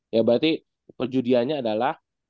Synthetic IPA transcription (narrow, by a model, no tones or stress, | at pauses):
jabəɾat̪i | pərd͡ʒudiaɲaːdalah